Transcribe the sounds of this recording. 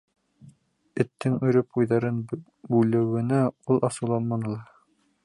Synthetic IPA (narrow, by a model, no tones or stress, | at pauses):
ɘ̆t̪ːɘŋɵ̆ɾɘpujðɑɾɤn | bʉlɘ̆wɘ̆næulˠʔɑsɤ̆wlˠɑnmɑnɤ̆lˠɑ